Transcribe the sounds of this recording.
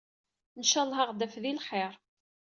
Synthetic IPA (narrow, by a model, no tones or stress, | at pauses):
nʃɑlˤɦɑʁd̪æfðilχeɾˤ